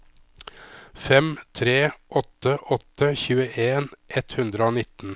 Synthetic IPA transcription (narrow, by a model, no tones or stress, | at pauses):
fɛmt̪ʰɾeːʔɔt̪əʔɔt̪əçʉːəʔeːnʔɛt̪hʉnd̪ɾəoːnɪt̪n̩